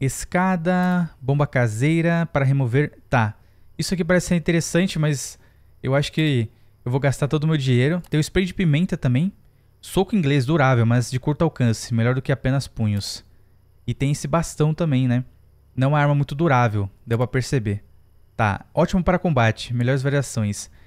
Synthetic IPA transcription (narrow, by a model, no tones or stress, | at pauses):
eskad̪ɐbõbɐkazejɾɐpaɾɐɦemoveɾt̪a | isʊakipaɾɛsɪseɾĩt̪eɾesɐ̃nt͡ʃɪmɐz | ḛwaʃʊ̥kɪ | ewvowɡast̪aɾt̪od̪ʊmewd͡ʒiɲejɾʊt̪ẽj̃ʊɪspɾejʊd͡ʒɪpimẽnt̪ɐt̪ɐ̃mbẽj̃ | sokʊĩɡlez̬d̪uɾavewmɐzd͡ʒɪkuɾt̪ʊawkɐ̃sɪmeʎɔɾd̪ʊkɪapẽnɐspũɲʊs | ɪt̪ẽj̃esɪbast̪ɐ̃w̃t̪ɐ̃mbẽj̃nɛ | nɐ̃w̃aaɾmɐmũj̃t̪ʊd̪uɾavewd̪ewpɾɐpeɾsebe | t̪a̰ɔt͡ʃimʊpaɾɐkõbat͡ʃɪ̥meʎɔɾɪzvaɾiasõj̃s